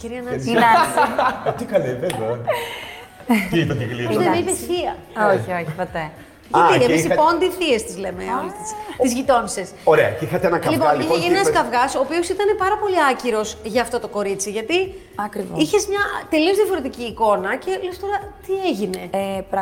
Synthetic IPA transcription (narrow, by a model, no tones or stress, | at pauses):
ciɾiɐnɐ | t̪ikɐliðeðo | tit̪ɐðiɣlieivesiɐ | oçioçipot̪e | ʝɐt̪ieisipo̞nd̪iθiest̪izle̞meolit̪sizʝit̪o̞nse̞soɾeɐixɐt̪eenɐklipoleeeenɐskɐvɣɐso̞ːpio̞sit̪ɐne̞pɐɾɐpo̞liɐciɾo̞sʝɐːft̪o̞t̪o̞ko̞ɾit͡siʝɐt̪i | ɐkɾivoiçe̞zmɲɐt̪e̞lio̞zðiɐfo̞ɾe̞t̪iciːko̞nɐce̞lest̪o̞ɾɐt̪ieʝine̞pɾ